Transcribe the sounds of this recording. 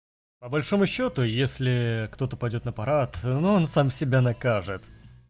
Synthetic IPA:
pəbɐlʲʂo̞mʊɕːo̞t̪ʊjesʲlʲɪkt̪o̞t̪əpɐjdʲo̞t̪nəpɐɾat̪nuonsamsʲɪbʲanɐkaʐɨt̪

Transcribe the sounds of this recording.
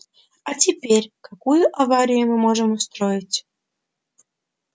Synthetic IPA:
atʲipʲeɾʲkakujʊʔavaɾʲijʊmɨmoʒəmust̪ɾojɪtʲ

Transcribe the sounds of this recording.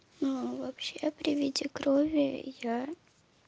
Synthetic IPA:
nuvɐpɕepɾʲɪvʲidʲikɾovʲɪja

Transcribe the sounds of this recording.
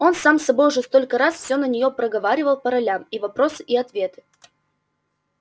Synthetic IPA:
o̞nsamsɐbo̞jʊʐɛst̪o̞lʲkəɾasfsʲonənʲɪjo̞pɾəɡɐvaɾʲɪvəlˠpəɾɐlʲamivɐpɾo̞sɨʔiɐt̪vʲe̞t̪ɨ̥

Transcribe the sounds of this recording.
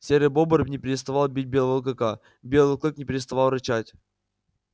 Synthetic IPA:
sʲeɾʲəbobəɾbʲnʲɪpʲɪɾʲɪst̪ɐvalˠbʲit̚ʲbʲelˠvəlˠkɨka | bʲelˠɨlˠklˠɨknʲɪpʲɪɾʲɪst̪ɐvalˠɾɨt͡ɕatʲ

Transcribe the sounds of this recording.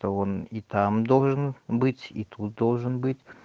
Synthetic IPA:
t̪oonit̪amd̪o̞lˠʐɨnbɨtʲḭt̪ʰut̪̚d̪o̞lˠʐɨnbɨtʲ

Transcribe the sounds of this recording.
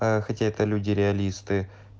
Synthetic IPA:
axɐtʲaɛt̪əlʲudʲɪɾʲɪɐlʲist̪ɨ

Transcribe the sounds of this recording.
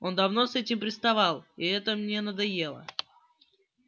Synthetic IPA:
o̞nd̪ɐvno̞sɛtʲɪmpɾʲɪst̪ɐvɑlˠiɛt̪əmnʲe̞nəd̪ɐje̞lˠə̰

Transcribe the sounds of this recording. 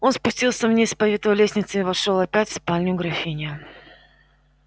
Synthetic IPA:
o̞nspʊsʲtʲilˠsʲəvnʲespɐvʲet̪əvəlʲesʲnʲɪt̪sɨɪvɐʂolˠɐpʲætʲfspalʲnʲɪʊɡɾɐfʲinʲɪjʊ

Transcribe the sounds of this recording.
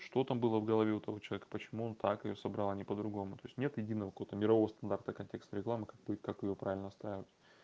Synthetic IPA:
ʂt̪o̞t̪ambɨlˠəvɡəlˠɐvʲeʊt̪ɐvo̞t͡ɕɪlˠɐvʲekə̥pət͡ɕɪmuo̞nt̪akɪjosəbɾalˠanʲɪpəd̪ɾʊɡo̞mʊt̪o̞ɪsʲnʲet̪jɪdʲinːəvəkɐkovət̪əmʲɪɾɐvo̞vəst̪ɐnd̪art̪əkɐnʲtʲe̞kst̪əɾʲɪklˠamɨkak̚bukakɪjopɾavʲɪlʲnəst̪ɾajɪvətʲ

